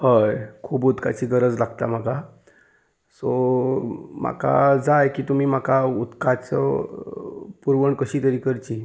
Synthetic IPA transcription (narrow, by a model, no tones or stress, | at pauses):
ɦəjkʰuːbut̪kat͡ɕiːɡəɾəd͡zlaɡt̪a̰m̤aka | sɔ | m̤a̰ka̰d͡zajkiːt̪um̤iːm̤akaut̪kat͡sə̰ | puɾʋəɳkəɕiːt̪əɾiːkəɾt͡ɕiː